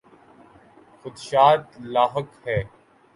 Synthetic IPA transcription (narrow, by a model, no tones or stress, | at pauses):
xʊd̪ʃaːt̪laːɦəkhɛː